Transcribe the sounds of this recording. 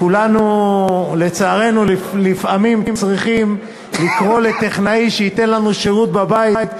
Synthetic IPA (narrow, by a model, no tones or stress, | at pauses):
kulanu | le̞t͡saːʁe̞nulilifamimt͡sʁiχim | likʁo̞let̪eχnaiʃeit̪enlanuʃeʁut̪babaiit̪